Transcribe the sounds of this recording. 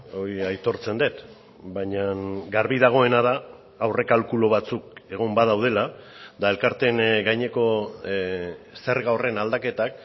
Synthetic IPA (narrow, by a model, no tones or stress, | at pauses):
o̞iajt̪o̞ɾt͡se̞nd̪e̞t̪ | bajɲaŋɡaɾβiðaɣ̞o̞e̞nað̞aː | wre̞kalkulo̞β̞at͡suke̞ɣ̞ombaðawð̞e̞lad̪ae̞lkaɾt̪e̞ŋɡajɲe̞ko̞ | se̞ɾɣaore̞nald̪ake̞t̪ak